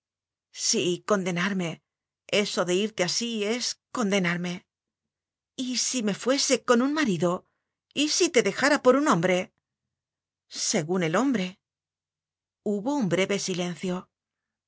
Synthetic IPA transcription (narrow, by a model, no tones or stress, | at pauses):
siko̞nd̪e̞naɾme̞ | e̞so̞ðe̞iɾt̪easie̞sko̞nd̪e̞naɾme̞ | isime̞fwe̞se̞ko̞nunmaɾiðo̞ | isit̪e̞ðe̞xaɾapo̞ɾunõ̞mbɾe̞ | se̞ɣune̞lo̞mbɾe̞ | uβo̞umbɾe̞βe̞sile̞n̟θjo̞